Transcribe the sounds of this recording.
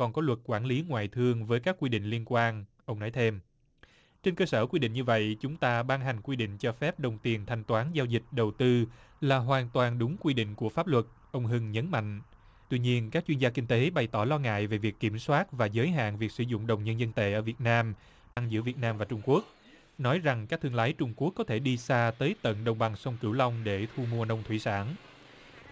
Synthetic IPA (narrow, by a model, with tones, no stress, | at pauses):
kɔ˨˩nkɔ˨˦lwə˨˩t̚kwaː˧˩nli˨˦ŋwa̰ː˧˨jt̪ʰɨ˧əŋvəː˨˦jkaː˦˥kːwi˧ɗḭ̈˧˨ŋ̟li˧ənkwaː˧n | ʔə˧wŋ͡mnɔ˨˦jt̪ʰe˧m | t͡ɕe˧nkəː˧səː˧˩kwi˧ɗḭ˧˨ŋ̟ɲɨ˧və̰˧˨jt͡ɕʊ˨˦ŋ͡mt̪aː˧ɓaː˧ŋɦa˨˩jŋ̟kwi˧ɗḭ̈˧˨ŋ̟t͡ɕɔ˧fɛ˦˥p̚ɗə˨˩wŋ͡mt̪i˨˩ənt̪ʰa˧jŋt̪waː˨˦nzaː˧wzï˨˩k̟̚ɗə˨˩wt̪ɨ˧laː˨˩ɦwaː˨˩nt̪waː˨˩nɗʊ˨˦ŋ͡mkwi˧ɗḭ̈˧˨ŋ̟ku˧˩əfaː˦˥p̚lwə˨˩t̚ | ʔə˧wŋ͡mɦɨ˧ŋɲə˨˦nma̰˧˨jŋ̟ | t̪wi˧ɲi˧ənka˦˥k̚t͡ɕwi˧nzaː˧kï˧ŋ̟t̪e˨˦ɓa˨˩jt̪ɔ˧˩lɔ˧ŋa̰ː˧˨jve˨˩vi˨˩əkːi˧˩mswaː˦˥t̚vaː˨˩zəː˨˦jɦa̰ː˧˨nvi˨˩ək̚sɨ̰˧˩zʊ̰˧˨ŋ͡mɗə˨˩wŋ͡mɲə˧nzə˧nt̪e˧˩ʔəː˧˩vi˨˩ət̚naː˧m | ɗaː˧ŋzɨ̰˧˥əvi˨˩ət̚naː˧mvaː˨˩t͡ɕʊ˧ŋ͡mku˦˥ək̚ | nɔ˨˦jza˨˩ŋkaː˦˥k̚t̪ʰɨ˧əŋlaː˨˦jt͡ɕʊ˧ŋ͡mku˦˥əkːɔ˨˦t̪ʰe˧˩ɗi˧saː˧t̪əː˨˦jt̪ə̰˧˨nɗə˨˩wŋ͡mɓa˨˩ŋsə˧wŋ͡mkɨ˧˩wla˧wŋ͡mɗe˧˩t̪ʰu˧mu˧ənə˧wŋ͡mt̪ʰwi˧˩saː˧˩n